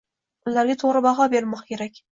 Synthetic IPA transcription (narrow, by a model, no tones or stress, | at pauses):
ʊːaɾɡʲat̪ʰoʁɾɪbɑʁɑbeɾmɒqkʲʰe̞ɾakʲ